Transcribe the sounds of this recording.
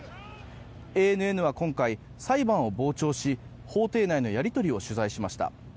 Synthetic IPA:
e̞ːnɯ̟e̞nɯ̟β̞akõ̞ŋkai | saibãɰ̃o̞bo̞ːt͡ɕo̞ːɕi | ho̞ːt̪e̞ːnaino̞jaɾʲit̪o̞ɾʲio̞ɕɨzaiɕimaɕi̥t̪a̰

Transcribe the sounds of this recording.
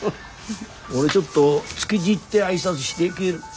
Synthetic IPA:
oɾe̞t͡ɕo̞t̪ːo̞t͡sɨ̥kʲid͡ʑit̪ːe̞aisat͡sɨɕi̥d̪ekʲiɾɯ

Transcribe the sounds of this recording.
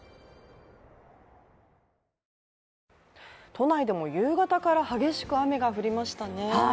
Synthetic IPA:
t̪o̞naid̪e̞mo̞jɯ̟ːɡat̪akaɾahaɡʲe̞ɕi̥kɯ̟ame̞ɡaɸɯ̟ɾʲimaɕi̥t̪ane̞

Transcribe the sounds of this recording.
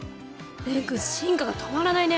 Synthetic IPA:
beɾɯkɯɕĩŋkaɡat̪ʰomaɾanaine

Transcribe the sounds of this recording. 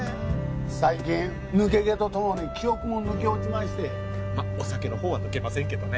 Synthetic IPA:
saikĩ | nɯ̟ke̞ɡe̞t̪o̞t̪o̞mo̞ɲ̟ikʲio̞kɯ̟mo̞nɯ̟ke̞ot͡ɕimaɕi̥t̪e̞ | maosake̞no̞ɦo̞ːβanɯ̟ke̞masẽ̞ŋke̞d̪one

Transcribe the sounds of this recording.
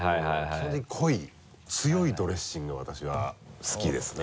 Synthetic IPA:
haihaihaoed̪ekʰo̞i | t͡sɨjo̞id̪o̞ɾe̞ɕĩŋɡoβat̪aɕiβ̞asɨ̥kʲid̪e̞sɨne

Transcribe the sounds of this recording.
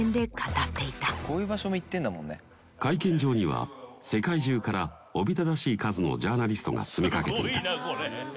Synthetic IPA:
nd̪e̞kat̪at̪ːe̞it̪akʰo̞ːjɯ̟ːbaɕo̞moit̪ːẽ̞nd̪amõ̞nːḛ | kaikẽ̞ɲ̟d͡ʑo̞ːɲ̟iβa̰se̞kaiʑɨːkaɾa | o̞bʲit̪ad̪aɕiːkazɨno̞̰d͡ʑaːnaɾʲisɨ̥t̪o̞̰ŋa̰t͡sɨme̞kake̞t̪eit̪a

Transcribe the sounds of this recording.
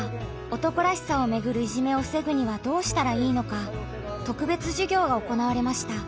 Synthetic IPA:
o̞t̪o̞koɾaɕi̥sao̞me̞ɡɯ̟ɾɯ̟iʑime̞o̞se̞ɡɯ̟ɲ̟iβad̪o̞ːɕi̥t̪aɾaiːno̞ka | t̪o̞kɯ̟be̞t͡sɨʑɨɡʲo̞ːɡao̞ko̞naβaɾe̞maɕi̥t̪a

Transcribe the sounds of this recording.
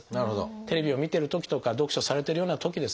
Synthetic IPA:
naɾɯ̟ɦod̪o̰t̪e̞ɾe̞bʲio̞mʲit̪eɾɯ̟t̪o̞kʲi̥t̪o̞kad̪o̞kɯ̟ɕo̞saɾe̞t̪e̞ɾɯ̟jo̞ːnat̪o̞kʲid̪e̞s

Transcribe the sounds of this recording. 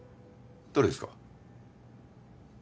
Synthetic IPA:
d̪̥oɾed̪eska̰

